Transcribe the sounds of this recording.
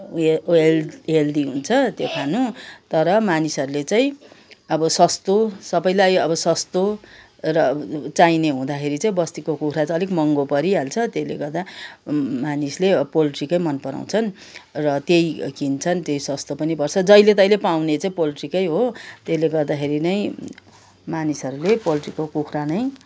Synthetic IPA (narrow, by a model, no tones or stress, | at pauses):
leld̪iɦunt͡sʰʌt̪jokʰanut̪ʌɾʌmanisʌɾulet͡saĩʌbʌsʌst̪osʌbʌjlajʌbʌsʌst̪o | rʌt͡saineɦũd̪akʰeɾit͡saĩbʌst̪ikokuɾat͡sʌlekmʌŋɡopʌɾiɦalt͡sʰʌt̪elḛɡʌrd̪a | manislepoliʈrikʌjmʌnpʌɾa̰w̃t͡sʰʌn | rʌt̪ejkint͡sʰʌnt̪jejsʌst̪opʌnipʌrt͡sʰʌd͡zʌjlet̪ʌjlepawnet͡saĩpoliʈrikʌjɦot̪esleɡʌrd̪akʰeɾinʌj̃ | manisʌɾulepoliʈrikokukʰranʌj